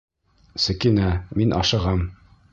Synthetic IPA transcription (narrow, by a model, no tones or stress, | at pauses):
sɵ̆kinæminʔɑ̰ʃɤ̆ʁɑm